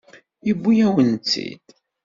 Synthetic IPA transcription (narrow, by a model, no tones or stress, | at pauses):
ibːijæwənt͡sːḭd̪̥